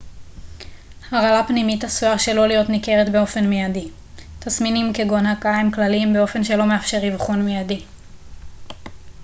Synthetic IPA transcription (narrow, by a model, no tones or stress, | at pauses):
haʁalapnimitasuaʁʃe̞lo̞lijotnike̞ʁetbeo̞fe̞nmejadi | t̪asminimkeɡo̞nhakaimklalimbeo̞fe̞nʃe̞lo̞meafʃe̞ʁivχonmijadi